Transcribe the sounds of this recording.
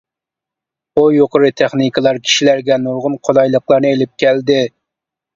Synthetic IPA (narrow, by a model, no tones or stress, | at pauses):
ojoqʰəɾɨt̪ʰeχnɨkʰəlˠɑɾkʲʰi̥ʃilæɾɡʲɛnuɾʁʊnqʰolɑjlˠəqlˠɑɾnɨelɪp̚kʲɛld̪ɪ